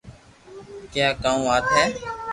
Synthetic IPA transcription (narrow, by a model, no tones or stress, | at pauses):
kjaːkaːũːaːt̪ʰɛː